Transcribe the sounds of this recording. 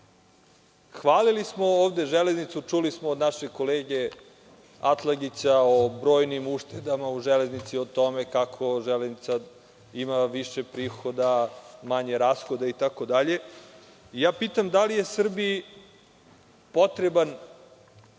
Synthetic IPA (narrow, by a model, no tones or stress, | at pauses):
xʋaːlilismo̞oːʋd̪e̞ʒeleznit̪sut͡ʂulismoːd̪naʃekoleːɡe̞ | at̪lˠaɡit͡ɕaobɾo̞ːjnimuʂt̪ed̪amauʒele̞znit̪siot̪o̞mekakʰo̞ʒeleznit̪sa | imaʋiʃepɾiːxo̞d̪amaɲeɾaːsxod̪ait̪ako̞d̪aʎe̞ | ijaːpiːt̪amd̪alije̞sr̩bi | po̞t̪ɾeban